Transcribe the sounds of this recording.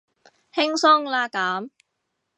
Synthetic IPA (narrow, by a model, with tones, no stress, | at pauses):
hɪ˥ŋsɔ˥ŋlaː˧kaː˨˥m